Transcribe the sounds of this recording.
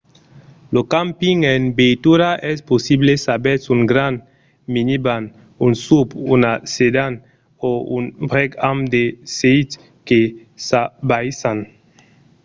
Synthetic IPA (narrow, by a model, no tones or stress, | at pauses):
lokampiŋenbejt̪uɾaʔɛsposiblesabɛsuŋɡɾan | miniban | unsupunased̪an | ounbɾɛkamd̪esejt | ke | sabajsan